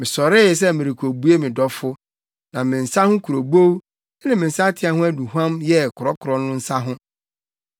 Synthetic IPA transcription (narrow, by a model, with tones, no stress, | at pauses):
mɪ̃˨sɔ˨ɾɪ˦s̬ɛ˦mɪ̃˨ɾi˨kʰo˨bu˦e˦mɪ̃˨dɔ˦fʊ˦ | nã˨mɪ̃˨n̩˨sa˦hʊ̃˦kʰu˨ɾo˨bo˦w | ɪ˦nɪ̃˦˨mɪ̃˨n̩˨sa˦tʰɪ˨˦a˦ɦʊ̃˦æ˦nũ˨ɦã˦mjɛ˦kʰʊ˨ɾɔ˦kʰʊ˨ɾɔ˦nʊ̃˦n̩˦sa˦ɦʊ̃˦